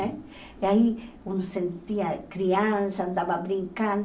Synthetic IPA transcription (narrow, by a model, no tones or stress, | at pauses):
e | ai | unosent̪iakɾiansand̪ababɾiŋkan